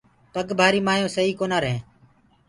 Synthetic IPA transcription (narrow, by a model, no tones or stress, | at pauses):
pəɠbʱaːɾiːmaːjõːsəɦiːkoːnaːɾəɦẽː